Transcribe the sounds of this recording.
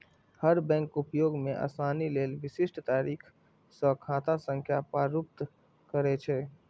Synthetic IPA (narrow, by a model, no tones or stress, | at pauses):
həɾbɛ̃ŋkupjoɡmeʔa̰saːnilelʋisisʈt̪aːɾiːkʰ | sə̃kʰat̪asə̃ŋkʰjapaɾup̚t̪ | kəɾɛt͡ʃʰɛ